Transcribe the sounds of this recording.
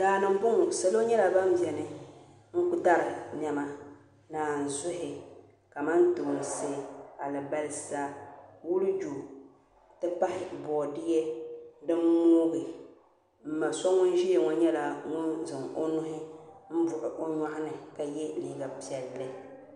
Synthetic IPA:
daː˨nɨ˨ŋbʊ˦ŋʊ˨sa˨lo˦ɲɛ˦la˨ba˦m˦bjɛ˨nɨ˨ | ŋ̩˦ku˦da˦ɾɨ˨n˨ɛ˨ma˨ | naː˨n̩˨zʊ˦ɦɪ˨ | ka˨ma˦nto˨n˨seː˦˨a˨lɨ˨ba˦lɨ˦sa˦wu˦lɨ˦d͡ʒu˨ | tɨ˦pa˦hɪ˨bɔː˨dɪ˦jɛ˦dɨ˦mː˦oː˦ɡɨ˨ | m̩˨ma˨sɔ˦ŋʊ˦n˦ʒi˦ɛ˨ŋɔ˦ɲɛ˦la˨ŋʊ˦nzɨ˨ŋo˦nʊ˦ɦɪ˦m̩˦bʊ˨ʔɨ˨ʔo˦ɲa˦hɪ˦nɨ˨ka˨jɛ˦liː˦˨ɡa˨pɛ˨lːɨ˨

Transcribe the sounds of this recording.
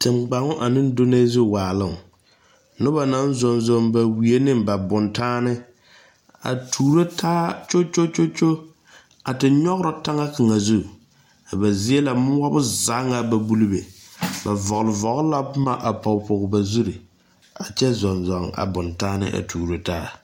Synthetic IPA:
tɪ˨mɡ͡ba˨ŋʊ˦ʔa˨nɪ˦n˦do˦ne˦zu˦˨waː˨lɨ˦˨ŋ˨ | nʊ˦ba˨na˦n˦zɔ˨nzɔ˨ŋba˨wi˨e˦nɪ˦mba˨bʊ˨ntaː˦nɪ˦ | a̰˨tʰuː˨ɾo˦tʰaː˦t͡ʃo˦t͡ʃo˦t͡ʃo˦t͡ʃo˦ | a˨tɪ˨ɲɔ˦ɣɾʊ˦ta˦ŋa˦kɨ˨ŋa˨zu˦˨ | a˨ba˨zi˦e˦la˨mʊ˦wa˦bʊ˦za˨˦ŋa˨ba˨bu˦lu˦be˨ba˨vɔ˨ɣʊ˨lɪ˨vɔ˨ɡla˦ʊ˦ma˨ʔa˨pɔ˨pʊ˨ɣba˨zu˦ɾi˨ | a˨t͡ʃɛ˦zɔ˨nzɔ˨ŋa̰˨bʊ˨ntaː˦nɪ̰˦ʔa̰˨tʰuː˨ɾo˦taː˦

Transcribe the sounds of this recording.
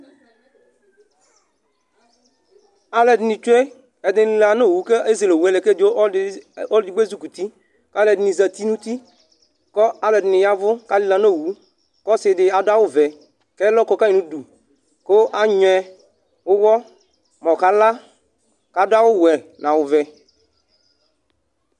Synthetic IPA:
a˦lɛ˨dnɪ̃˨t͡ʃu˦e˦ | ɛ˨dɪ̃˨˦li˨˦la˨no˦˨wu˨˦ke˦e˦ze˨lo˨wu˨˦ɛ˨le˨ke˦do˦o˦dɪ˨ɡ͡be˦zu˦ku˨t̪i˦ | ka˦lɛ˨dnĩ˨zɛ˨t̪i˦nũ˦t̪i˦ | kɔ˦a˦lɛ˨dnɪ˨ja˦vʊ˦ka˦lɪ˦la˨no˦˨wu˨˦ | kɔ˦sɪ˨dɪ˨a˨dʊ˦a˦wʊ˦vɛ˨ | kɛ˦lɔ˦kɔ˦ka˦i˨nũ˦du˨ | ko˦ʔa˦ɲɔ˨ɛ˧ | wʊ˦wɔ˦ | mɔ̃˨ka˨˦la˦ | ka˨dʊ˦a˦wʊ˦wɛ˨nã˨wʊ˨vɛ˨

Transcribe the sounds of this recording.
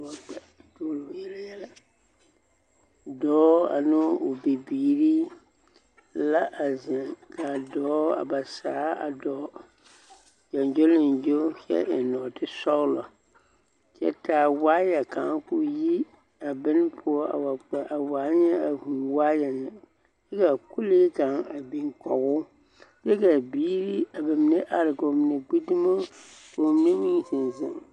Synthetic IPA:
wa˨k͡pɛ˨toː˦lo˨jɛ˦la˦jɛ˦la˦ | dɔː˨˦a̰˨nɪ˦ʊ˨bi˨biː˨ɾi˦ | la˦ʔa˨zɛ˨ka˨dɔː˦a̰˨ba˨saː˨˦a̰˨dɔː˨˦ | ja˨nd͡ʒo˦lɪ˨nd͡ʒo˦hɛ̰˦ʔɪ˨nɔː˨tɪ˦sɔ˦ɣlɔ˨ | t͡ʃɛ̰˦taː˨waː˦ja˨ka˨˦kʊ˦ji˦ | a˨bɪ˦n˦pʰʊ˦ɔ˦a̰˨wa˨k͡pɛ˨ʔa˨waː˨˦ɲɛ˦a˨huː˨waː˦jɛ˨nɪ˨ | jɛ˦ka˨ku˦leː˦ka˨ŋa˨bi˨ŋkɔ˨ɣʊ˦ | bɛ˦ka˨biː˦ɾi˦a˨ba˨mɪ˨ne˦ʔa˨ɾɪ˨ko˨mɪ˨ne˨ɡ͡bi˦dɪ˦mo˦ko˨m˦ne˦mĩ˦zɪ˨nzɪ̰˨ŋ

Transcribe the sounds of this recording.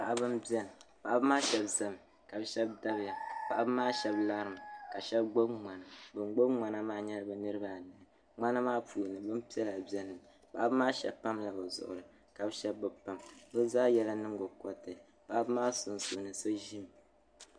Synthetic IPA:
pa˨ʔa˦bɨ˦mbi˦ɛ˦nɨ˨pa˨ʔa˦bɨ˦maː˦ʃɛ˨bza˦m˨ | ka˨bɨ˦ʃɛ˦b̚da˦bja˨pa˨ʔa˦bɨ˦maː˦ʃɛ˦bla˦ɾɨ˨m˨ka˨ʃɛ˦bɡ͡bo˦bma˨na˨bɨ˨nɡ͡bo˦bŋ͡ma˨na˦maː˦ɲɛ˦lɨ˦bɨ˨nɨ˦ɾɨ˦ba˦˨nɨ˨nɨ˨ | ŋ͡ma˦na˦maː˦puː˨nɨ˨bɨ˦mpi˦ɛ˦la˨bi˨ɛ˦nːɨ˨ | pa̰˨ʔa˦bɨ˦maː˦ʃɛ̰˨bpa˦mla˨bɨ˨zʊ̰˨ʔʊ̰˨ɾɨ˨ | ka˨bʃɛ˦bːɨ˦pa˦mbɨ˦zaː˦jɛ˦la˦nɨ˦ŋɡo˨kɔ˦tɨ˨ | pa˨ʔa˦bɨ˦maː˦sʊ˨nzu˨nɨ˨so˦ʒi˦m˨

